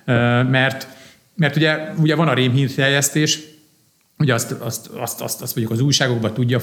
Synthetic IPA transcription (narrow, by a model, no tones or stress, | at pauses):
øːmɛrt̪ | mɛrt̪uɟɛuɟɛvɒnɒɾeːmɦinfɛjjɛst̪eːʃ | hoɟɛɒst̪ɒst̪ɒ̰st̪ɒ̰st̪ɒst̪oɲokɒzuːjʃaːɡo̞ɡbɒt̪uɟːɒ